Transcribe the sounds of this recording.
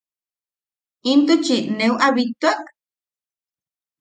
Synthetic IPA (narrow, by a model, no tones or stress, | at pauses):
int̪ut͡ʃinewʔaβit̪uaʔ